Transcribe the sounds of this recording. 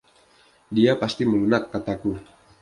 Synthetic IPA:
diapast̪iməlunakːat̪aku

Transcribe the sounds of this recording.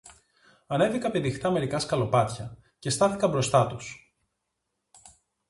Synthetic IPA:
ɐne̞vikɐpeðixt̪ɐme̞ɾikɐskɐlo̞pɐt̪çɐ | ce̞st̪ɐθikɐmbɾo̞st̪ɐt̪us

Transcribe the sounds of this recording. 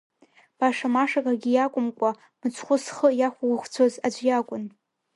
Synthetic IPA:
b̥aʂamaʂakʼaɡʲijakʷʼʊmkʷʼa | mɨt͡sʷʰχʷʊsχəjaχʷaɡʷχʷt͡sʷʰozad͡ʒʷjakʷʼʊn

